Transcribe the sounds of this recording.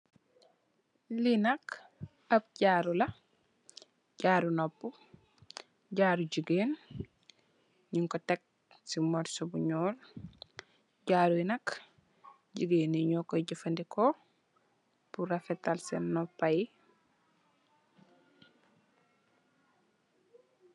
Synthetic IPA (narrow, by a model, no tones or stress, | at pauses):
linɐk | ɐp̚ɟaːɾulɐ | ɟaːɾunɔpːu | ɟaːɾuɟuɡeːn | ɲiŋkɔtɛk̚ | simɔɾsɔbuɲɔːl | ɟaːɾuinɐk | ɟəɡeːniɲɔkɔɟəfɐndikɔ | puɾɐfɛtalsɛnːɔpːaji